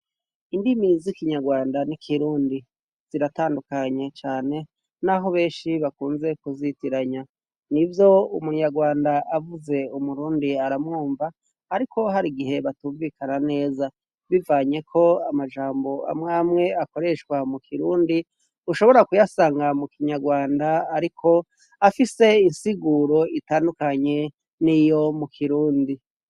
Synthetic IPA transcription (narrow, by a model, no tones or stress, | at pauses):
indimizikiɲaɡwaːndanikʰiɾuːndi | z̥iɾataːndukaɲe̞t͡ʃaːne̞ | naɦo̞βe̞ːnʃiβakuːnze̞kuzitiɾaɲa | nivjo̞umuɲaɡwaːndaavuze̞umuɾuːndiaɾamŋuːɱvaː | ɾiko̞ɦaɾiɡiɦe̞βatuːɱvikanane̞ːza | βivaːɲe̞kʰo̞amad͡ʒaːmbo̞a̰mŋaːmŋe̞ako̞ɾe̞ʃkwamukʰiɾuːndi | uʃo̞βo̞ɾakujasaːŋɡamukiɲaɡwaːndaːɾikʰo̞ | afise̞insiɡuɾo̞itaːndukaɲe̞ | nijo̞mukʰiɾuːndi